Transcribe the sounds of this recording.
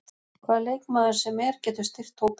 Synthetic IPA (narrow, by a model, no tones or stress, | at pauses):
kʰvaːðlejkmaːðʏɾ̥sɛmɛɾ̥cɛːt̪ʏ̥st̪ɪr̥t̪ʰowp